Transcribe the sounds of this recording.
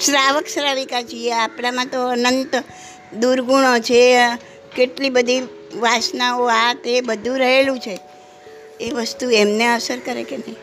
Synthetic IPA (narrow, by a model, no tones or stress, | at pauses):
sɾaʋəksɾaʋikat͡ʃʰieapɳamãt̪oənənt̪ | d̪uɾɡuɽ̃ot͡ʃʰe | keʈlibəd̪ʱi | ʋasnaoat̪ebəd̪ʱũɾəɦelũt͡ʃʰe | eʋəst̪uemneəsəɾkəɾekenəĩ